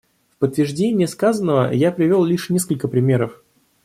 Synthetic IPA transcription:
fpət̪ːvʲɪrʐdʲenʲɪjəskazənːəvə̰japɾʲɪvʲo̞lˠlʲiʂnʲe̞skəlʲkəpɾʲɪmʲe̞ɾəf

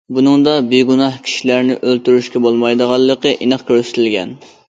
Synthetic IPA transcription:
bunɨŋd̪ɑbɪɡunɑhkʲʰi̥ʃilæɾnɪʔølt̪yɾyʃkʲɛbolˠmɑjd̪əʁɑlˠːəqəʔinəχkʲʰøɾsɪ̥t̪ʰɪlɡʲɛ̰n

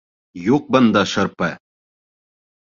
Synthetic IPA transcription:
juq̚bɤ̆nd̪ɑʃɤ̆ɾpɤ

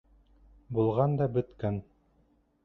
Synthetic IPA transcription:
bulˠʁɑnd̪ɑbɵ̆t̪kæn

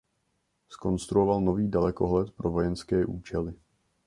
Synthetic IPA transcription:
sko̞nst̪ɾuovalno̞viːdalɛko̞ɦlɛt̪pɾo̞vo̞jɛnskɛːʔuːt͡ʃɛlɪ

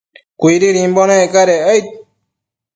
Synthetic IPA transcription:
kʷiɾiɾimbonẽekaɾeəjt̪̚

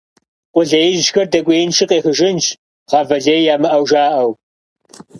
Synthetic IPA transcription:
qʷʊɮɐjɪʒʒxɐrdɐkʷʼeːjɪnʃʰɨqʼeːxəʒɪnt͡ʃ | ʁɑːvɐɮeːjjaːmɨʔɐwʒaːʔɐw

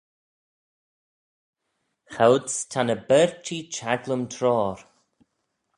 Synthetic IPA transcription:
xawdstʰanəbɛɹtʰit͡ʃaɡləmtʰɾɔːɾ

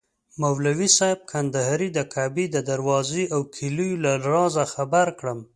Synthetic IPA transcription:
mawlawisɑjɪb̚kʰand̪aɦaɾid̪əkʰabid̪əd̪aɾwɑziʔawkʰilujulalɾɑzaxabaɾkɽəm

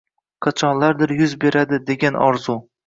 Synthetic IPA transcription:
qʰɑt͡ʃʰɒnlaɾd̪ɪɾjʊzbe̞ɾad̪ɪd̪e̞ɡʲanɒɾzʊ

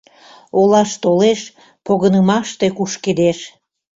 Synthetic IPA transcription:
olɑʃt̪oleʃ | poɣənəmɑʃt̪e̽kuʃked̪eʃ

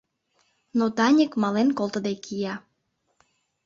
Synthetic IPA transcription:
not̪ɑnʲikmɑlenkolˠt̪əd̪ekʰijɑ

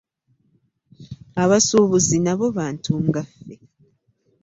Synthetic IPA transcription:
aβasuβuzinaβo̞βaːntʰuŋɡafːe

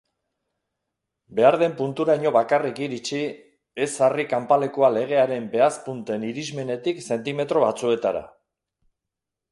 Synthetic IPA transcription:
be̞aɾðe̞mpunt̪uɾajɲo̞βakarikiɾit͡ʃi | e̞sarikampale̞koale̞ɣ̞e̞aɾe̞mbe̞aspunt̪e̞niɾizme̞ne̞t̪ikse̞nt̪ime̞t̪ɾo̞βat͡sue̞t̪aɾa̰

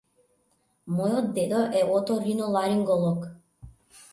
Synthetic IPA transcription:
mɔjɔd̪ed̪ɔʔɛɔt̪ɔɾinɔlˠaɾiŋɡɔlˠɔk

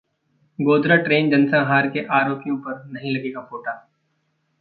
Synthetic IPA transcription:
ɡoːd̪ɾaʈɾeːnd͡ʒɐnsãɦaːɾkeʔaːɾoːpijõpɐɾnɐɦĩlɐɡeːɡafoːʈaː

